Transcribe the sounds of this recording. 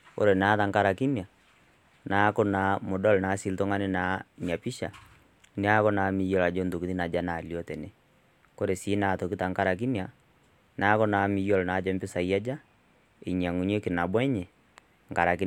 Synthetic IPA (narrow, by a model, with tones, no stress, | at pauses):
o̰˦ɾe˨na˨˦ða˨ŋka˦ɾa˨ki˦nja˨ | na˨˦ko˦na˨mo˨dɔ˦lna˨˦si˨lto˦ŋa˦ne˦na˨ɲa˨pi˦ʃa̰˨ | ne˦a˦ko˦na˨mi˨˦jɔ˦la˨d͡ʒo˦ndo˨ki˨ði˦na˨d͡ʒa˦na˨ljɔ˦tɛ˨ne˦ | ko˦ɾe˨si˦na˨to˨ki˦ta˨ŋka˦ɾa˨k̬i˦nja˨ | na˨˦ko˦na˨mi˨jɔ˦lɔ˨na˨d͡ʒɛ˦mbi˦sa˨i˦a˦d͡ʒa˦ | e˨ɲ˨a˨ŋu˨ɲ˦e˦ke˨na˨bwɛ˦ɲɛ˨ | ŋka˨ɾa˨ki˦